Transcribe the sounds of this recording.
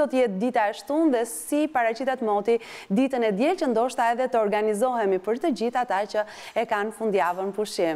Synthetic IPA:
ɔt̪əjɛt̪̚d̪it̪aɛʃt̪unðɛsipaɾat͡ɕit̪at̪mɔt̪id̪it̪ənɛd̪jɛlt͡ɕənd̪ɔʃt̪aɛðɛt̪əɔɾɡanizɔɦɛmipəɾt̪əd͡ʑiθat̪at͡ɕə | ɛkanfund̪javənpuʃim

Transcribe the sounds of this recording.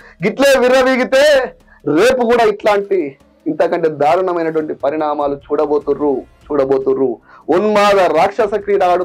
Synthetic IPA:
ɡiʈleːʋiɾɐʋiɡit̪eː | ɾe̞ːpukuːɽaːiʈlaːɳʈiː | nt̪ɐkɐɳʈeːd̪aːɾuɳɐmɐjnɐʈuʋɐɳʈipɐɾiɳaːmaːlut͡ʃuːɽɐboːt̪urut͡ʃuːɽɐbo̞ːt̪uɾuonmaːd̪ɐɾaːkʂɐsɐkɾiːɾaːɽu

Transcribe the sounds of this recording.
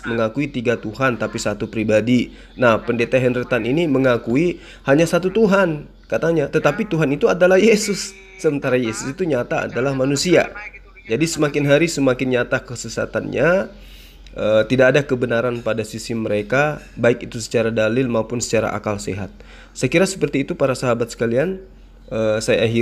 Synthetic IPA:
məŋakuit̪iɡat̪uɦant̪apisat̪upɾibadi | nahpəndet̪aɦɛndɾət̪aniniməŋakui | haɲasat̪ut̪uɦan | kat̪aɲat̪ət̪apit̪uɦanit̪uadalahjesʊsː | əmənt̪aɾajesʊsit̪uɲat̪aa̰dalahmanusia̰ | d͡ʒadisəmakɪnɦaɾisəmakɪnɲat̪akəsəsa̰t̪a̰nɲa | ət̪idaːdakəbənaɾanpadasisiməɾekabaɪkit̪usə̥t͡ʃaɾadalɪlmaupʊnsə̥t͡ʃaɾa̰ʔa̰kalsḛɦa̰t̪̚ | səkiɾasə̥pərt̪iːt̪upaɾasaɦabat̪̚sə̥kalian | əsajaːɦi

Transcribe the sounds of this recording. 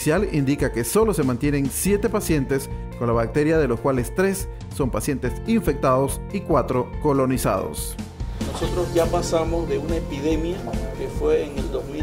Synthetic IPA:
sjalind̪ikake̞so̞lo̞se̞mant̪je̞ne̞nsje̞t̪e̞pasje̞nt̪e̞s | ko̞nlaβak̚t̪e̞ɾjaðe̞loskwale̞st̪ɾe̞sː | o̞mpasje̞nt̪e̞siɱfe̞k̚t̪aðo̞sikwat̪ɾo̞ko̞lo̞nisa̰ðo̰snosot̪ɾozʝapasamozðe̞unaepiðemjakefweːŋeld̪ozmi

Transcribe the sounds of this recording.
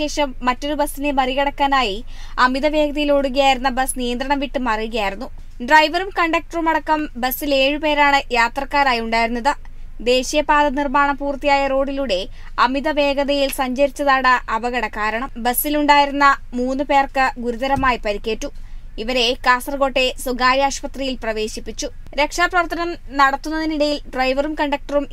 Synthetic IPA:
e̞ːʂɐmːɐtːo̞ɾubɐsːine̞mɐriɣɐɽɐkːaːnaːji | ɐmiðɐʋe̞ːɡɐðɐjiloːɽuɣɐjaːjiɾunːɐbɐsnijɐnd̪ɾɐɳɐmʋiʈːɨmɐrijuɣɐjaːjiɾunːu | ɖrɐjʋɐrumkɐɳɖɐk̚ʈɐrumɐɽɐkːɐmbɐsːile̞ːɻɨpe̞ːɾaːɳɨjaːt̪rɐkːaːɾaːjiuɳɖaːjiɾunːɐðɨ | d̪e̞ːɕijɐpaːd̪ɐnirmaːɳɐmpuːrt̪ːijaːjɐro̞ːɖiluɽe̞ | ɐmid̪ɐʋe̞ːɡɐðɐjilsɐɲd͡ʑɐɾit͡ɕːɐðaːɽɐʔɐbɐɣɐɽɐkaːɾɐɳɐmbɐsːiluɳɖaːjiɾunːɐmuːnːɨpe̞ːrkɨɡuɾuðɐɾɐmaːjipɐɾikʲːe̞ːʈːu | iʋɐɾe̞kaːsɐrɡo̞ːʈːe̞suɡaːɾjaːɕpɐt̪rijilprɐʋe̞ːɕipːit͡ɕːu | ɾe̞kʂaːprɐʋɐrt̪ʰːɐnɐm | nɐɽɐt̪ːunːɐðiniɽɐjilɖrɐjʋɐrumkɐɳɖɐk̚ʈɐrum

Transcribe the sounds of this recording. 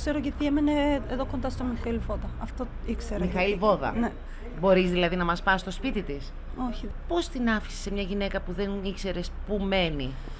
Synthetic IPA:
kseɾoʝet̪iemeneeðokond̪ɐst̪omixɐilvoðɐɐft̪o | ikseɾmixɐilvo̞ðɐ̰ne | bo̞ɾizðilɐðinɐmɐspɐst̪o̞spit̪it̪is | oçipo̞st̪inɐfi̥se̥semɲɐʝine̞kɐpuðe̞nikse̞ɾe̞spume̞ni

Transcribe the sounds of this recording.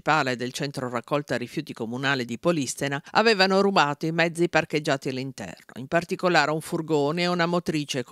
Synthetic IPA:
paːled̪elt͡ʃɛnt̪ɾorakːɔlt̪oarːifjuːt̪ikomunaːlid̪ipolist̪enaaveːvanoɾubaːt̪oimɛd̪zːiparked͡ʒːaːt̪ialːint̪ɛ̰rno̰impart̪ikolaːɾeuɱfurɡoːneːunamot̪ɾiːt͡ʃek

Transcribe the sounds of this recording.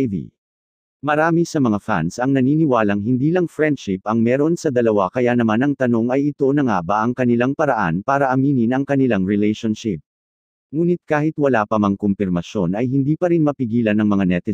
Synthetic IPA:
d̪ḭ | mɐɾaːmisɐmɐŋafa̰nsɐŋnɐniːnɪwaːlɐŋɦɪnd̪iːlɐŋfɹɛnd̪ʃɪpɐŋmɛːɾo̞nsɐd̪ɐlɐwakɐjanɐmanɐŋt̪ɐno̞ŋɐjɪt̪o̞nɐŋaːbɐʔɐŋkɐnɪlaŋpɐɾɐʔa̰npaːɾɐʔɐmiːnɪnɐŋkɐnɪlaŋɹɪlɛjʃonʃɪp̚ | ŋuːnɪt̪̚kaːhɪt̪wɐlaːpɐmɐŋkompɪɾmɐʃjo̞nɐjɦɪnd̪iːpɐɾinmɐpɪɡiːlɐnɐŋmɐŋanɛt̪ɛ

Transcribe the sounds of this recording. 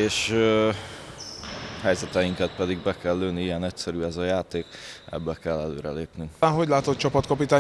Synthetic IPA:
eːʃ | hɛjzɛt̪ɛjiŋkɛt̪pɛd̪iɡbɛkɛlːøːniiɛnɛcsɛɾyːɛzɒjaːt̪eːkɛ̰bːɛkɛlːɛlø̰ːɾɛ̰leːpnyŋaːnɦo̞ɟlaːt̪ot̪̚t͡ʃɒpɒt̪kɒpit̪aː

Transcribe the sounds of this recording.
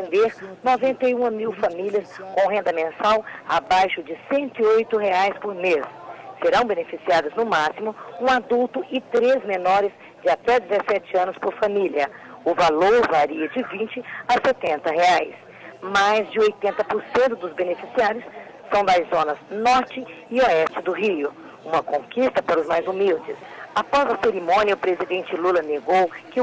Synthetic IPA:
ẽnd̪eɾnɔvẽnt̪ejũɐmiwfamiliɐskõw̃ɦẽnd̪ɐmẽsawabajʃʊd͡ʒɪsẽnt̪ʊiojt̪ʊɦeajspoɾmesseɾɐ̃w̃benefisiad̪ɐznʊmasimʊũad̪uwt̪ʊʔɪt̪ɾezmẽnɔɾɪz | d͡ʒɪat̪ɛd͡ʒɪzesɛt͡ʃɪɐ̃nʊspoɾfamiliɐ | ʊvaloɾvaɾiɐd͡ʒɪvĩt͡ʃɪaset̪ẽnt̪ɐɦeajs | majzd͡ʒɪojt̪ẽnt̪ɐpʊɾsẽnt̪ʊd̪ʊzbenefisiaɾjʊsː | ɐ̃w̃d̪ajzõnɐsnɔɾt͡ʃɪɪoɛst͡ʃɪd̪ʊɦiʊ | ũmɐkõkist̪ɐpaɾɐʊzmajzumiwd͡ʒɪsapɔzɐseɾimõniɐʊpɾezid̪ẽnt͡ʃɪlulɐneɡowkɪ

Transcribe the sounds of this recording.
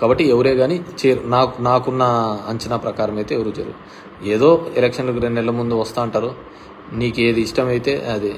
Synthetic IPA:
kaːbɐʈːieʋuɾeːɡaːnit͡ʃeːɾunaːkunaːkunːɐɐɲt͡ʃɐnaːpɾɐkaːɾɐmɐjt̪e̞ːeʋɐɾud͡ʒɐ̰ɾṵɡu | eːd̪o̞ːelekʂɐnlɐk̬uɾennɛlːɐmund̪uʋɐst̪aːuɳʈaːɾu | niːke̞ːd̪iːʂʈɐmɐjit̪e̞ːɐd̪i

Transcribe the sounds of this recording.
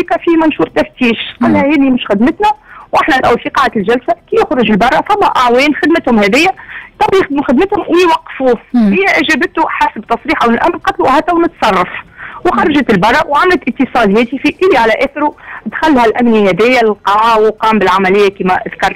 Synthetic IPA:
ikæfiːmænʃuːɾˤt̪æft̪iːʃqɑlːhæhɛːd̪imʊʃxɪd̪mət̪næwʔɪħnælʔæwfiqɑːʕd̪æt̪lʒælsakijʊxɾˤʊʒɪlbɑrˤːɑfæmːæʔaʕwɛːnxɪd̪mət̪hʊmhɛðɪjːæt̪ˤɑbjɪxd̪muxɪd̪mət̪hʊmwɪjwɑqːfuːhɪjːæʔɪʒæːbət̪uħasbt̪ɑsˤɾiːħʔawɪlʔæ̰mnqɑt̪luʔhæt̪æwnʊt̪sˤɑrˤːɑfwxɑrˤːɑʒat̪ɪlbɑrˤːɑwʕamlæt̪ʔɪt̪ːəsˤɑːd̪jɛːt̪ifiʔɪlːiʕalæʔæːθɪɾut̪xælːhælʔæmnihɛd̪ɪjːælqɑːwqɑːmbɪlʕamælɪjːækiːmæʔðkɑɾˤ

